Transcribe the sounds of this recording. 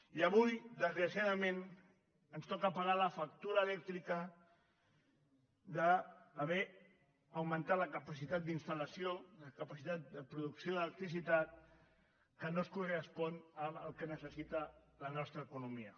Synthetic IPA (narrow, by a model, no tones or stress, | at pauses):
iəβujd̪əzɣɾəsjaðəmẽn | ənst̪ɔkəpaɣaləfak̚t̪uɾəːlɛk̚t̪ɾikə | ðəːβɛ | əwmə̃nt̪at̪ləkəpəsit̪at̪̚d̪inst̪ələsjoləkəpasit̪at̪̚d̪əpɾuðuksjoələk̚t̪ɾis̬it̪at̪̚ | kənoskurəspɔnəməlˠkənəsəsit̪ə | lənɔst̪ɾəːkunumiə